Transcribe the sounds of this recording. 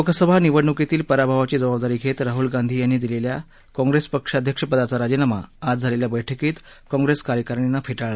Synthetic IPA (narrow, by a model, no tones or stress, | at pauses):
okəsəbʱaniʋəɽɳuket̪iːlpəɾabʱaʋat͡ɕiːd͡zəbabd̪aɾiːkʰet̪ɾaɦulɡãnd̪ʱiːjanːiːd̪ilelja | kɔ̃ŋɡɾespəkʂəd̪ʱjəkʂəpəd̪at͡saɾad͡ʑinama̰ːd͡zd͡zʱaleljabəjʈʰəkiːt̪ | kɔ̃ŋɡɾeskaɾjəkəɾɳinːafʰeʈaɭla